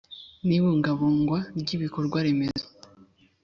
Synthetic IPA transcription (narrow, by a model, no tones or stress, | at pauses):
niβuːŋɡaβuːŋɡwaɾɟiβiko̞ɾɡwaɾe̞mezo̥